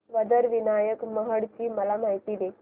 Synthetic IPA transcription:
ʋəd̪əɾʋinajəkməɦəɽt͡ɕiːməlamaɦit̪iːd̪e

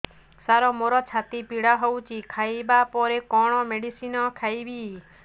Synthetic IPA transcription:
saɾɔmoɾɔt͡ʃʰat̪ipiɽaɦowt͡ʃikʰaibapɔɾekɔɽ̃ɔmeɽisinɔkʰajbi

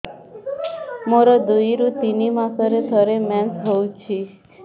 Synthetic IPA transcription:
moɾɔd̪ujɾut̪inimãsəɾet̪ʰəɾemɛnt̪ɦowt͡ʃʰi

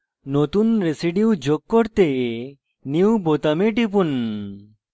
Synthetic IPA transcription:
not̪unɾesiɖiud͡ʒoɡ̚kɔɾt̪e | niubot̪ɐmeɖip̬un

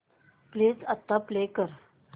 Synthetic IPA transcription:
plet͡sat̪ːaplekəɾ

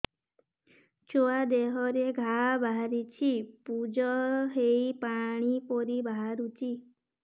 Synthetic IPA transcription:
t͡ʃoad̪eɦɔɾeɡʱabʱaɦaɾit͡ʃʰipud͡ʒɔɦejpaɽ̃ipɔɾibʱaɦaɾut͡ʃʰi

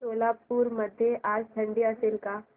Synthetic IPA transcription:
oːlaːpuːɾmɐd̪ʱjeʔaːst̪ʰɐ̃ɳɖijasɪlka

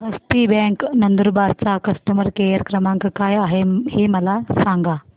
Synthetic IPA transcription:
ɦəst̪ibɛ̃ŋknənd̪əɾbaɾt͡sakəsʈəməɾkejəɾkɾəmãŋkkajaɦeheməlasaŋɡa

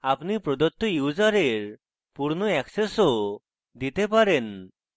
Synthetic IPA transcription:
apnipɾɔd̪ɔt̪ːojud͡ʒaɾeɾ | puɾnɔɛkseso | d̪it̪epaɾen

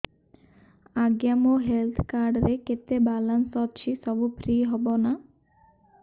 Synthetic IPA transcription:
aɡjamoɦelt̪ʰkaɾɖɾeket̪ebalansɔt͡ʃʰisɔbupɾiɦɔbona

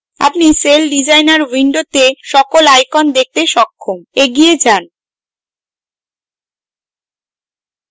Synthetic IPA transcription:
a̰pniselɖid͡ʑajnaɾwiɳɖot̪eʃɔkolajkɔnd̪ek̚t̪eʃɔkʰːomeɡied͡ʑan

